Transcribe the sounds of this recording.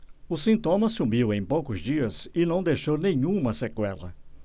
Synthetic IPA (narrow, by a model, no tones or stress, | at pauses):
ʊsĩnt̪õmɐsumiwẽj̃powkʊzd͡ʒiɐzɪnɐ̃w̃d̪ejʃownẽɲũmɐsekwɛlɐ̰